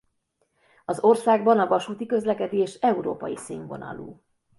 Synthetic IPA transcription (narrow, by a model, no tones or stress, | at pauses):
ɒzo̞rsaːɡbɒnɒvɒʃuːt̪ikø̞zlɛkɛd̪eːʃɛuɾo̰ːpɒjisiːɱvo̞̰nɒ̰lṵː